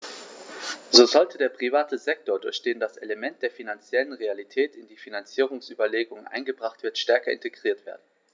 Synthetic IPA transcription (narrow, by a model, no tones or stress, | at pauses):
zoːzɔltʰədeːɐpʁ̥ivaːtəzɛk̚toːɐdʊɐçd̥eːndasʔeləmɛnt̚d̥eːɐfinant͡sjɛlənʁealitʰɛːtɪndiːfinant͡siːʁ̞ʊŋsʔyːbɐleːɡʊŋənʔa̰ɪnɡəbʁaχtv̥ɪɐtʃtɛɐkɐɪ̰nteɡʁiːɐtv̥eːɐdn̩